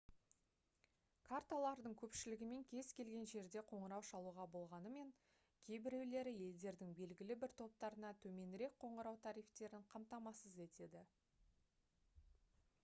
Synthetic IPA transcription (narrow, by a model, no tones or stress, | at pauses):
kʰart̪alˠɑɾd̪əɴkʲʰɵpʃɪlɪɡʲɪme̞ŋkʲʰe̞z̥kʲe̞lɡʲe̞nʒe̞ɾd̪e̞qʰo̞ɴəɾɑwʃɑlˠuʁɑbo̞lˠʁɑnəme̞ŋ | kʲʰe̞jbɪɾe̞wle̞ɾɪje̞ld̪e̞ɾd̪ɪŋbe̞lɡʲɪlɪbɪɾt̪ʰo̞p̚t̪ɑɾənɑt̪ʰɵme̞nɾe̞k̚qʰo̞ɴəɾɑwt̪ʰɑɾijft̪e̞ɾɪɴqʰɑmt̪ɑmɑsəze̞t̪e̞d̪ɪ